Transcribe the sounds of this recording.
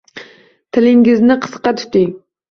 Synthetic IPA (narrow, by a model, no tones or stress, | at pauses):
t̪ʰɪlɪŋɡʲɪznɪqʰə̥sqɑt̪ʰʊ̥t̪ɪŋ